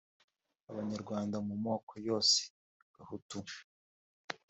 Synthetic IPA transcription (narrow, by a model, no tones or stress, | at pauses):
aβaɲaɾɡwaːndamumoːkʰojo̞ːse̥ | βahutu